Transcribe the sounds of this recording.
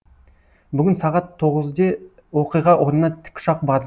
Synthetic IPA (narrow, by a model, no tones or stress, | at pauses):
bʏɡʲɪnsɑʁɑt̪ʰːo̞ʁəzd̪e | wo̞qijʁɑʔonənɑt̪ʰɪ̥kʲʃɑq̚bɑ